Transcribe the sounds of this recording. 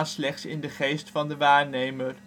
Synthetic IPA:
nslɛχtsɪ̰ndəχejstfɑndəʋaːɹnejmər

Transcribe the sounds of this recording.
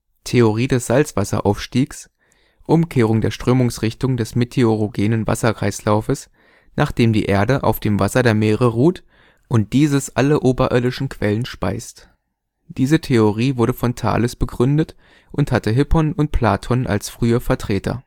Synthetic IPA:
tʰeoʁiːdɛsz̥alt͡sv̥asɐ̰ʔa̰ʊfʃtiːks | ʔʊmkʰeːʁ̞ʊŋdeːɐʃtʁ̥øːmʊŋsʁ̥ɪçtʊŋdɛsmetʰeoʁoɡeːnənva̰sɐkʁ̥aɪslaʊfəs | nʔaːχd̥eːmdḭːʔeːɐdəʔa̰ʊfd̥eːmvasɐdeːɐmeːʁəʁuːt | ʔʊnt̚d̥iːzəsʔaləʔoːbɐʔɪɐdɪʃn̩kʰv̥ɛlənʃpa̰ɪst | d̥iːzətʰeoʁiːvʊɐɾəfɔntʰa̰ːləsb̥əɡʁʏndət | ʔʊnthatəɦɪpɔnʊnt̚pʰl̥aːtʰɔnʔa̰lsfʁ̥yːɐfɛɐtʁ̥eːtʰɐ̰

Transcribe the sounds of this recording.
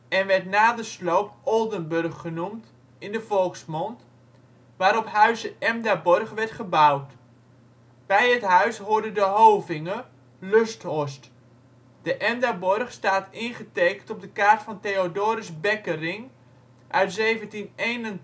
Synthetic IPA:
ɛnʋɛrtnaːdəslowpɔlˠdənbɵrχːənumt | ɪndəfɔlˠksmɔnt | ʋaːɾɔphœɥsəɛmdabɔrχʋɛɹtχəbawt | b̥ɛjətɦœɥshʊɹdədəɦowvɪŋə | løstɔst | d̥əʔɛmdabɔrχstaːtʰɪnχəteːkəntɔb̚dəkaːrtfɔnteodoːɾɪsbɛkərɪŋ | ʔœɥtzeːvəntineːnən

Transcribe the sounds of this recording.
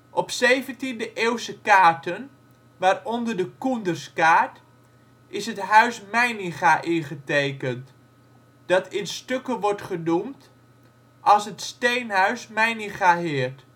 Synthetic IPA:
ʔɔpsejvəntindəʔeːwsəkaːɹtən | ʋaːrɔndəɹdəkundərskaːɹt | ʔɪsɦətɦœɥsmɛjniχaʔɪnχətejkənt | d̥ɑtʰɪnstøkəʋɔɹtχənumt | ʔɑlˠsɦətstejnɦœɥsmɛjniχaɦɪːɹt

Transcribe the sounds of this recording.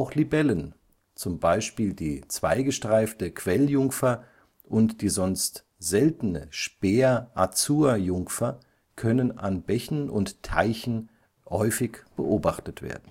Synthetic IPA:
ʔaʊxlibɛlən | t͡sʊmbaɪʃpiːldiːt͡sv̥a̰ɪɡəʃtʁ̥aɪftəkʰv̥ɛljʊŋfɐ | ʔʊntd̥iːzɔnst | z̥ɛltən̩ə̰ʃpeːɐʔat͡suːɐjʊŋfɐ | kʰœnəna̰nbɛçn̩ʊ̰nttʰa̰ɪçn̩ | hɔʏfɪçb̥əʔoːbaχtətv̥ḛːɐdn̩

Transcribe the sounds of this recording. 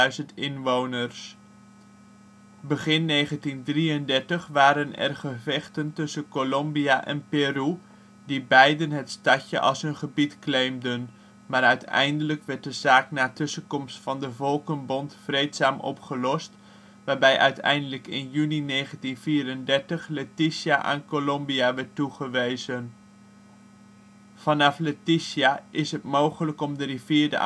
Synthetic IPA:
dɥzəntɪnʋownərs | bəχɪnːejχəntindriəndɛɹtəχʋaːɾənɛ̰rχəvɛχtəntɵsənkolɔmbiaʔɛ̰npeːru | dibɛjdənɦətstɑcə̰ʔɑ̰lˠsənχəbitklejmdən | maːɾœɥtɛ̰jndələkʋɛɹt̚dəzaːknaːtɵsəkɔmstfɑndəvɔlˠkənbɔntfrejtsaːmʔɔ̰pχəlɔst | ʋaːɹbɛjʔœ̰ɥtʰɛ̰jndələkɪnjyninejχəntinviːɾəndɛɹtəχletisjaʔa̰nkolɔmbiaʋɛɹtːuχəʋejzən | fɑnɑfletisiaʔɪsɦətmowχələkɔmdəriviːɹdə̰

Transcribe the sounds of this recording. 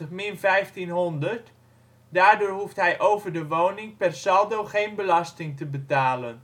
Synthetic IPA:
əχmɪnvɛjftinɦɔndəɹt | daːɹdʊːɹɦuftɦɛjʔowvəɹdəʋownɪŋpɛrsɑlˠdowχejnbəlɑstɪŋtəbətaːlən

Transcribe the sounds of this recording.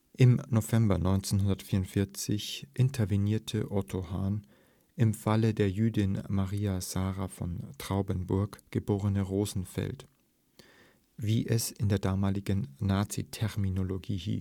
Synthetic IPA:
ʔɪmnovɛmbɐnɔʏnt͡senɦʊndɐtfiːʁʊntfɪɐt͡sɪçʔɪntʰɐviniːɐtʰəʔɔtʰohaːn | ʔɪmfalədeːɐjyːdɪnmaʁiːaz̥aːʁafɔ̰ntʁ̥aʊbənbʊɐkɡ̥əboːʁənəʁoːzn̩fɛ̰lt | viːʔɛsɪndeːɐdaːmaːlɪɡən̩ːaːt͡sḭtʰɛʁminoloɡiːhḭːs

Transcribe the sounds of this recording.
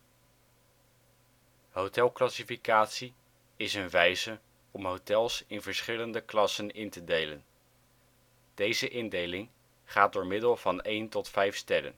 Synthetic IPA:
ɦowtɛlˠklɑsifikaːtsi | ɪsənʋɛjzə | ɔmɦowtɛlˠsɪnvəɹsχɪləndəklɑsənɪntədejlən | d̥ejzəʔɪndejlɪŋ | χaːt̚dʊːɹmɪdəlˠvɑnejntɔtfɛjfstɛɾə̰n

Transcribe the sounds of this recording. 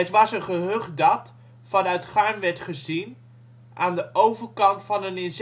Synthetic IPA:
ətʋɑsənχəɦøχdɑt | fɑnœɥtχaɹmʋɛɹtχəzin | ʔaːndəʔowvəɹkɑntfɑnənɪnz

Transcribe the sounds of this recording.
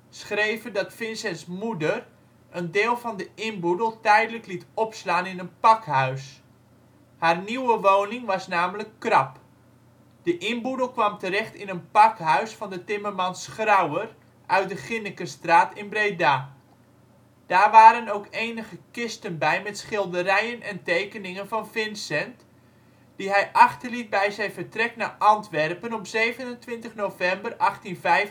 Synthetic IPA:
sχrejvəndɑtfɪnsɛnsmudər | əndɪːlˠvɑndəɪnbudəlˠtɛjdələklitɔpslaːnɪnənpɑkɦœɥs | haːrniwəʋoːnɪŋʋɑsnaːmələkːrɑp | d̥əʔɪnbudəl̩ˠkʋɑmtəɾɛχtɪnənpɑkɦœɥsfɑndətɪmərmɑnsχrawər | ʔœɥt̚dəχɪnəkəstraːtɪnbrejda | d̥aːrʋaːɾənowkejnəɣəkɪstənbɛjmɛtsχɪlˠdərɛjənʔɛntejkənɪŋənvɑnfɪnsɛnt | d̥iɦɛjʔɑχtərlit̚bɛjzɛjnvərtrɛknaːʔɑntʋɛrpənɔpzejvənəntʋɪntəχnowvɛmbərɑχtinvɛjf

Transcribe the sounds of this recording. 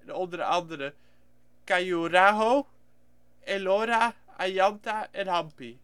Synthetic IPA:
dɔndəɾɑndəɾə | kajuɾaɦo | ɛloɾa | ajɑntaɛnhɑmpi

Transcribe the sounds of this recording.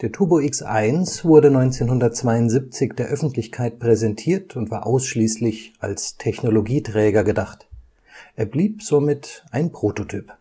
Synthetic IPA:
d̥eːɐtʰuːboɪksʔa̰ɪnsv̥ʊɐdənɔʏnt͡seːnhʊndɐt̚t͡sv̥aɪʊntz̥ip̚t͡sɪçd̥eːɐʔœfn̩tʰlɪçkʰaɪt̚pʁ̥ɛzɛntʰiːɐtʊntv̥aːɐʔaʊsʃliːslɪçʔa̰lstʰɛçnoloɡiːtʁ̥ɛːɡɐɡədaχt | ʔeːɐbliːpz̥omɪtʔaɪnpʁ̥oːtotʰyːp

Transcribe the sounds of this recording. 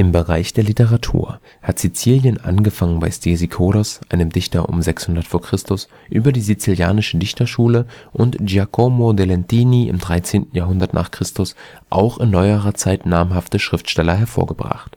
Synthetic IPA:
ʔɪmbəʁaɪçd̥eːɐlitəʁatʰṵːɐ | hatz̥it͡siːljənʔa̰nɡəfaŋənbaɪstʰezikʰoːɾɔsʔa̰ɪnəmdɪçtɐ̰ʔʊ̰mzɛkshʊndɐtfoːɐkʁ̥ɪstʊs | ʔyːbɐdiːzit͡siljaːnɪʃədɪçtɐʃuːləʔʊntʒakʰomodelɛntiːniʔɪ̰mdʁaɪt͡seːntn̩jaːɦʊndɐtnʔa̰ːχkʁ̥ɪstʊs | ʔa̰ʊxɪnːɔʏəʁɐt͡saɪtnaːmɦaftəʃʁ̥ɪftʃtɛlɐɦɛɐfo̰ːɐɡəbʁa̰χt

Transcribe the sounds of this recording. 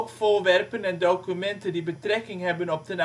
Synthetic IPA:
kfoːɹʋɛrpənɛndowkymɛntəndibətrɛkɪŋɦɛbənɔp̚dəna

